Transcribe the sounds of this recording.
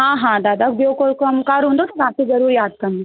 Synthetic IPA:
ɦãɦãd̪ad̪akbjokoɾkəmkaɾɦõnd̪ot̪ɐɾatezɐɾuːɾjaːd̪̚kəɾne

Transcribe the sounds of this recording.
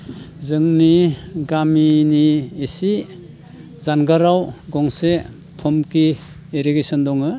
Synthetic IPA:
zɯŋniɡaminiesi | zanɡaɾawɡɔŋse | pʰɔmki | eɾiɡesɔndɔŋɯ

